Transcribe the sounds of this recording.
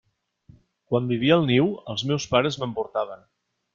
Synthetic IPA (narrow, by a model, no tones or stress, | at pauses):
kwambiβ̞iəlˠniwəlˠzmewspaɾəzməmpuɾt̪aβ̞ən